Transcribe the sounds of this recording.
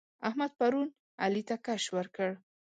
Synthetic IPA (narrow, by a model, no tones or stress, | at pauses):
ahmad̪̚paɾun | a̰lit̪akaʃwəɾkəɽ